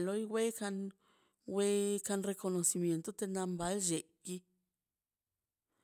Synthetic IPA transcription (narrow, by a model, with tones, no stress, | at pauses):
lo˦jwe˦ka˧n | we˦ka˧nre˧ko˧no˨si˧mje˨nt̪o˦t̪e˧na˧mba˨˦lʒe˨ki˧